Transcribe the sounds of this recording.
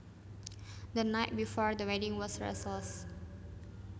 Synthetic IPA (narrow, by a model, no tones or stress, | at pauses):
d̪ənaɪt̚bifɔɹd̪əwɛdĩŋwɔsɹɛ̰səls